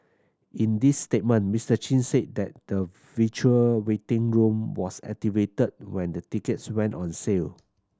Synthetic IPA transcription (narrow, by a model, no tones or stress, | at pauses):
ʔĩndisːtet̚mə̃nmistət͡ʃĩnset̚dɛt̚də | vit͡ʃuəwetɪ̃ŋɹũmwɔsɛ̰k̚tivetəd̚wɛ̃ndətikətswɛ̃ntɔ̃nsel